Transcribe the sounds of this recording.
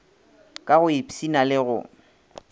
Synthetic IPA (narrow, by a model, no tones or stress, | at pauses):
kʼaɣʊipʼisinalɪɣʊ̰